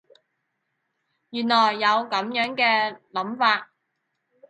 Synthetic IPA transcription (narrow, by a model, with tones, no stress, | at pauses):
jyː˨˩nlɔː˨˩jːɐ˨˧wkɐ˨˧˥mjœː˨˥ŋkɛː˧lɐ˨˥mfaː˧t̚